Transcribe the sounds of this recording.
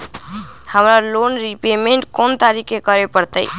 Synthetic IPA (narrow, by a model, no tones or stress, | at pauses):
həmɾalonɾipemeɳʈkont̪aɾikekəɾepəɾt̪əj